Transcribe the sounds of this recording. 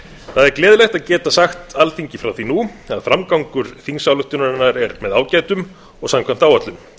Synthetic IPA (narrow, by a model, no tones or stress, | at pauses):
θaðɛɾklɛːðɪlɛjht̪aðcɛːt̪asaxt̪alθiɲcɪfɾawθinua̰ðfɾamkawŋkʏɾ̥θiŋsawlʏht̪ʏnaɾɪnːaɾɛɾmɛðaːwcaːjt̪ʏm | ɔɣsamkʰvam̥t̪aːwat̪lʏm